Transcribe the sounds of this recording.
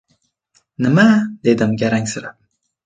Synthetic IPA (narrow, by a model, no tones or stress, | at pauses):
nəmad̪ed̪əmɡʲaɾaŋsaɾa